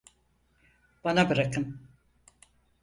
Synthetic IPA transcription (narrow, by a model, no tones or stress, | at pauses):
b̥anabɯɾakʰɯm